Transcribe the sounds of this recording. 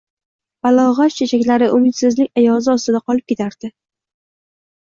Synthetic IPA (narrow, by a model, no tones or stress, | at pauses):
b̥alɒʁaʃt͡ʃʰet͡ʃʰakʲlaɾɪʔʊmɪt̪sɪznɪŋʲajɒzɪɒst̪ɪd̪aqɒlˠɪp̚kʲe̞t̪ʰaɾd̪̥ɪ